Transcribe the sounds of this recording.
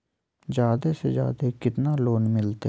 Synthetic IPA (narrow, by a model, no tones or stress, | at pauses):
zjaːd̪esed͡ʒja̰ːd̪ekɪt̪naloːnmɪlt̪e